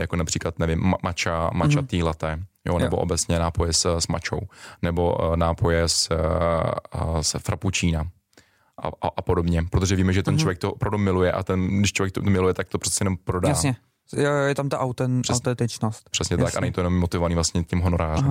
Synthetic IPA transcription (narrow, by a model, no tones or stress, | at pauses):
jakonapr̥iːklat̪nɛvɪmːat͡ʃamat͡ʃat̪iːlat̪ɛːjo̰nɛboʔobɛt͡sɲɛnaːpo̞jɛssma̰t͡ʃo̰wnɛbo̞̰naːpojɛs | sfɾa̰put͡ʃiːna | ʔa̰aʔapodobɲɛpɾot̪oʒɛviːmɛʒɛt̪ɛnt͡ʃovjɛk̚t̪oʔopɾavdumɪlujɛʔa̰t̪ɛnɡdɪʃt͡ʃovjɛkt̪ot̪omɪlujɛt̪ak̚t̪opr̥ɛt͡sɛjɛnompɾodajaːɲɛ | jjɛt̪amt̪aʔawt̪ɛnɾ̥ɛst̪ɛnt̪ɪt͡ʃnost̪pr̥ɛsɲɛt̪akʔanɛɲit̪oɛnomːot̪ɪvovaniːvlast̪ɲɛcɪmɦono̞ɾaːrɛm